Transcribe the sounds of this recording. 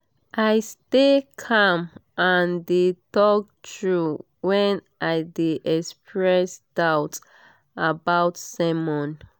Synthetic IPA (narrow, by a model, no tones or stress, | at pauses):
ʔaɪstekʰãmãndetɔk̚tɹu | wɛ̃nʔaɪdeʔɛkspɹɛsd̥aʊt | abaʊtsɛmɔ̃n